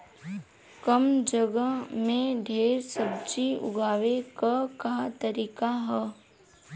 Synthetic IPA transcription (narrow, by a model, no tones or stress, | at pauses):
kəmd͡ʒəɡəmẽɖʱeːɾsəb̚t͡ʃiʊ̰ɡʱaːʋekəkat̪əɾiːkaɦɛ